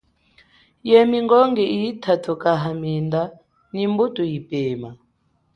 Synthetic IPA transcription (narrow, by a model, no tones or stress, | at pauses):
jɛmiŋɡɔŋɡɛijitʰatʰukʼaɦaminda | nimbutʼujipeːma